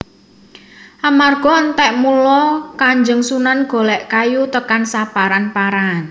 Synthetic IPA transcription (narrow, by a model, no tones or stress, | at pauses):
ʔamarɡ̥ɔ̤ənt̪ɛʔmulɔkaɲd͡ʒəŋsunanɡ̥o̤lɛʔkajut̪əkansab̥aɾanpaɾan